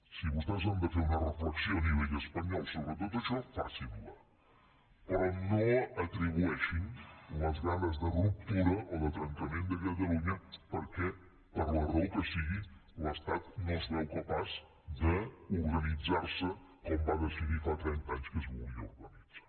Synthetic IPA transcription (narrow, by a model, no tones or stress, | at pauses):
siβust̪ɛzənd̪əfeɾunərəfləksioəniβ̞ɛʎəspəɲɔlˠsoβɾət̪̬ot̪əʃɔfa̰simula | pəɾɔnoət̪ɾiβ̞uɛʃinləzɣanəzðərup̚t̪uɾəʔɔðət̪ɾənk̪əmend̪əkət̪əluɲəpəɾkɛ | pəɾlərowkəsiɣiləst̪at̪nozðɛwkəpaz | d̪əuɾɣənid͡zaɾsəkɔmbaðəsiðifat̪ɾɛnt̪aɲskəzβulˠɡiəuɾɣənid͡za